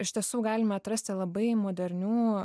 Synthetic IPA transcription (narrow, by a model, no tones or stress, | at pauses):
ɪʃt̪ʲiɛsuːɡɑːlʲɪmɐɐt̪ɾɐsʲt̪ʲɪlˠɐbɐɪmoːd̪ʲɛɾʲnʲuː